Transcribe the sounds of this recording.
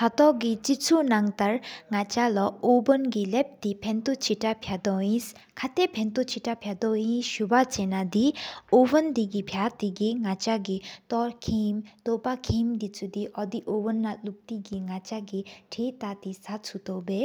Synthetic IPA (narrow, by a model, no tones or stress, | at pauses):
hat̪ɔɡit͡ʃit͡sʰunaŋt̪aɾŋat͡ʃalɔobɔnɡilɛp̚d̪ipʰent̪ut͡ʃʰiʈapʰjad̪ɔĩs | kʰat̪epʰent̪ut͡ʃʰiʈapʰjad̪ɔĩʃubat͡ʃenad̪iobɔnd̪iɡipʰjat̪iɡiŋat͡ʃaɡit̪ɔɾkʰimt̪opakʰimd̪it͡sud̪iʔɔd̪iʔobɔnːaluk̚t̪iɡiŋat͡ʃaɡiʈʰit̪at̪isat͡sʰut̪ɔwbe